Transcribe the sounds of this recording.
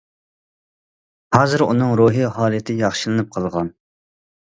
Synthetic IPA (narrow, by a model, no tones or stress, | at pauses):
hɑːzɨɾṵnɨŋɾuɦiɦɑːlˠɨt̪ʰɪjɑχʃɨlˠɨnɨp̚qʰɑlˠʁɑn